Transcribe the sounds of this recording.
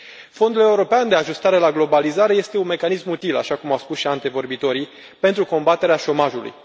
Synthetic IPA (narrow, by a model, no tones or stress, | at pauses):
fo̞nd̪ule̞uɾo̞peand̪e̞aʒust̪aɾe̞laɡlo̞balizaɾe̞je̞st̪e̞unme̞kanismut̪ila̰ʃakumawspusʃiant̪evo̞rbit̪o̞ɾi | pe̞nt̪ɾuko̞mbat̪e̞ɾeaʃo̞maʒulṵj